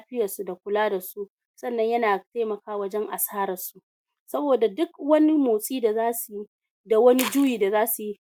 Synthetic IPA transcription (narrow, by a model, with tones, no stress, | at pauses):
ɸɪ˦jɐ˨rsu˨da˨kʷʊ˨laː˦da˨su˦ʔ | sɐ˦nːɐ˦ɲjɐ˦naː˨teː˦mɐ˨kaː˦wɐ˦d͡ʒɛ˦ŋʔa˨saː˦ɾɐ˨su˦ | sɐ˦boː˨da˨dʊ˦kwɐ˦ni˦moː˨sʼiː˦da˨zaː˦su˨ji˦ | da˨wɐ˦ni˦d͡ʒu˦jiː˨da˨zaː˦su˨ji˦